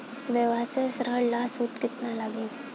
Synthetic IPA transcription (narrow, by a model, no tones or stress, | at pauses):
ʋeʋaːsesɾəɽlaːsut̪kɪt̪naləɡẽː